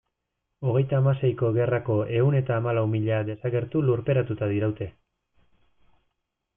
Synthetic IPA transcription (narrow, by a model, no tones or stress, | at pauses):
o̞ɣ̞e̞jt̪aːmase̞jko̞ɣe̞rako̞ʔe̞une̞t̪aːmalawmiʎad̪e̞saɣe̞ɾt̪uluɾpe̞ɾat̪ut̪aðiɾawt̪e̞